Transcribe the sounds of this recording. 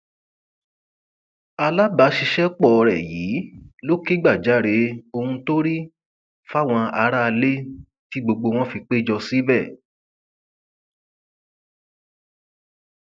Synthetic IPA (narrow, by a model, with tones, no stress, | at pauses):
a˧la˦ba˨˧˦ʃi˧ʃɛ˦k͡pɔ˦˨˧ɾɛ˨jiː˨˦lo˦ki˦ɡ͡ba˦˨d͡ʒa˨˦ɾe˨˦o˧hũ˧to˦ɾi˦ | fa˦˨w̃ɔ̃˧a˧˦ɾa˦˧le˦ | ti˦ɡ͡bo˧ɡ͡bo˧w̃ɔ̃˦fi˧k͡pe˦d͡ʒɔ˧si˦bɛ˦˨